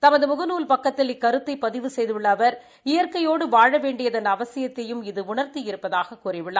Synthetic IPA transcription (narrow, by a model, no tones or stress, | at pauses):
t̪ɐmɐðɯmʊɣɐnuːlpɐkːɐt̪ːɪlɪkːɐɾɯt̪ːɐɪpːɐðɪʋɯsɛjðɯʋɪɭːɐʋɐɾ | ɪjɐɾkɐjoːɽɯʋaːɻɐʋeːɳɖɪjɐðɐnɐʋɐsɪjɐt̪ːɐjɯmɪðɯʊɳɐɾt̪ijɪɾɯpːɐðaːɣɐkːuːrɪʋɪɭːaː